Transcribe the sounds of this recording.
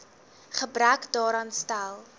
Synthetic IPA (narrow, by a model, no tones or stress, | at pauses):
χəbɾœkdɑːɾɑːnstælˠ